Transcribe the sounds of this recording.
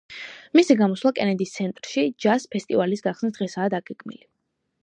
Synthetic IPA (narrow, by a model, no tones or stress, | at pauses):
misiɡamɔslˠakʼɛnɛd̪ist̪sʰɛnt̪ʼɾʃid͡ʒaspʰɛst̪ʼivalisɡaχsnisd̪ʁɛsaːd̪aɡɛɡʰmḭli